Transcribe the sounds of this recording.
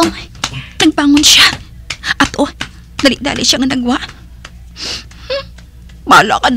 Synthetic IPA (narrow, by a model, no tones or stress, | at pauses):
nɐɡ̚paːŋʊnʃaʔɐt̪ʔo | nɐlɪʔ̚d̪a̰ːlɪʃaŋnɐɡwaʔ | baːlaʔɐkɐd̪